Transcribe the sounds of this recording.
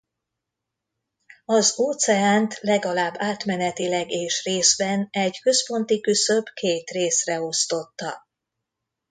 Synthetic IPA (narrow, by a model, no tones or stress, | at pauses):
ɒzoːt̪sɛaːnt̪lɛɡɒlaːbːaːt̪mɛnɛt̪ilɛɡeːʃreːzbɛnɛɟkø̞spo̞nt̪ikysø̞bkeːt̪reːsrɛo̞st̪o̞t̪ːɒ